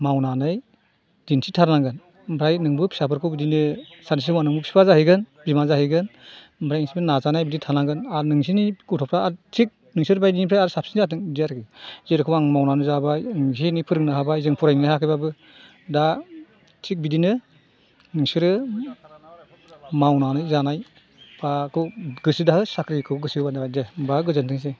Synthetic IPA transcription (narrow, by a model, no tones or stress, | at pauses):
mawnanaj | d̥insʰitʰaɾlaŋɡɯn | mbʰɾajnɯŋbɯpʰi̥sapʰɯɾkʰɯwbidinɯsaɾnisisɯwanɯŋbɯpʰi̥pʰazahɯjɡɯnbimazahɯjɡɯn | bʰɾajiŋsibɯnazanajbiditʰaɾlaŋɡɯnaɾnɯŋs̬iniɡutʰɔpʰɾaaɾtʰik̚ | nɯŋsɯɾbajdinibʰɾajaɾɯsap̚si̥nzatʰɯŋbidijaɾkɯzeɾɯkʰɯwaŋmawnanɯzabaŋsinipʰɯɾɯŋnaɦabaizɯŋpʰɔɾajŋnahakʰɯjbabɯ | da | tʰik̚bidinɯ | nɯŋsɯɾɯ | mawnanɯjzanaj | pʰakʰɯɡɯsidahɯsakʰɾikʰɯkɔɡɯsiɯbandabadebaɯɡɯzɯntʰɯŋs̬e